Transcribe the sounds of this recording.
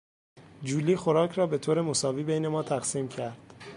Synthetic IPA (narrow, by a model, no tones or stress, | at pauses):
d͡ʒuːliːxo̞ɾɒːcʰɾɒːbe̞t̪ʰoːɾe̞mo̞sɒːviːbejne̞mɒːt̪ʰæɣsiːmcʰæɾd̪̥